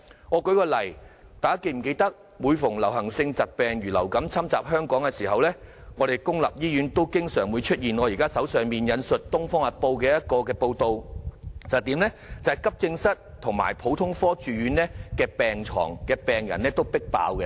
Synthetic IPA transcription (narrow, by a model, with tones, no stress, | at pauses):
ŋɔː˨˧kɵ˨˥ɥkɔː˧lɐ˨˩jt̪aː˨jɐ˥kːe˧jm̩˨˩ke˧jt̪ɐ˥k̚ | wuː˨˧jfʊ˨˩ŋlɐ˨˩wɦɐ˨˩ŋsɪ˧ŋt͡sɐ˨t̚pɛː˨ŋjyː˨˩lɐ̰˨˩wkɐ˨˥mt͡sʰɐ˥mt͡saː˨p̚ɦœː˥ŋkɔː˨˥ŋkɛ˧siː˨˩ɦɐ˨wlɛː˥ŋɔː˨˧ɾe˨jkʊ˥ŋlɐ̰˨p̚jiː˥jyː˨˥nt̪o˥wkɪ˥ŋsœː˨˩ŋwuː˨˧jt͡ʃʰɵ˥t̚jiː˨˩nɔː˨˧jiː˨˩kaː˥sɐ˨˥wsœː˨ŋmiː˨˩njɐ˨˧nsɵ˨t̚t̪ʊ˥ŋfɔː˥ŋɐ˨˩t̚po˧wkɛː˧jɐ˥t̚kɔː˧kɛː˧po˧wt̪o˧wt͡sɐ˨wt̪iː˨˥mlɛ˥t͡sɐ˨hjkɐ˥p̚kɪ˧ŋsɐ˥t̚t̪ʰʊ˨˩ŋma̰ː˨˩jpʰo˨˥wt̪ʰʊ˥ŋfɔː˥t͡ʃyː˨˧ɥyː˨˥nlɛː˥kɛː˧pɛː˨˩ŋt͡sʰɔ̰ː˨˩ŋkɛː˧pɛː˨ŋjɐ̰˨˩nɛː˥t̪o˥wpɪ˥k̚pa̰ː˨˧wkɛ˧